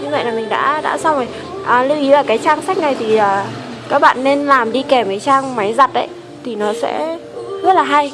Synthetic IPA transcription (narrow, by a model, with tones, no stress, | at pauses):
ɲɨ˧ŋvə̰˧˨jlaː˨˩mï˨˩ŋ̟ɗa̰ː˧˥ɗa̰ː˧˥sa˧wŋ͡mho˨˩j | ʔəː˨˩lu˧wʔi˨˦vaː˨˩kaː˨˦jt͡ɕaː˧ŋsa˦˥k̟̚na˨˩jt̪ʰi˨˩ʔəː˨˩ | kaː˦˥k̚ɓa̰ː˧˨nːe˧nlaː˨˩mɗi˧kɛ˨˩mkaː˨˦jt͡ɕaː˧ŋma˨˦jza˨˩t̚ʔə̰˨˦j | t̪ʰi˨˩nɔ˨˦sɛ̰˧˥ | zə˦˥t̚laː˨˩ɦa˧j